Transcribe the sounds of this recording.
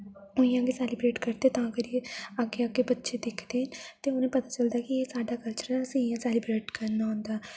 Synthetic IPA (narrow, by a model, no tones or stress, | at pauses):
ʊ̃jãːɡesɛːlɪbɾeːʈkəɾd̪et̪ãːəɡəɾjeːəɡeːəɡeːbətːʃed̪ɪkʰd̪eːɦənt̪eːʊnẽːpət̪aːt͡ʃəld̪aːkijeːsaːɖaːkəlt͡ʃəɾsĩjãːsɛːlɪbɾeːʈkəɾnaːɦʊ̃nd̪aː